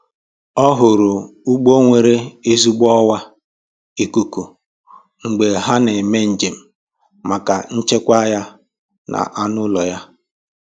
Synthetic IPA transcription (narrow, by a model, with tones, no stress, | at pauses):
ɔ˦ɦʊ˨ɾʊ˨u˦ɡ͡bo˦ŋʷe˨ɾe˦e˦zu˦ɡ͡bɔ˦wa˦ | i˨ku˨ku˨ | ŋ̩˨ɡ͡be˨ɦa˦ne˨me˦n̩˨d͡ʒe˨m̩˨ | ma˨ka˨n̩˦t͡ʃe˦kʷa˦ja˦ | nʔa̰˨ʔa˦nʊ˦lɔ˨ja˦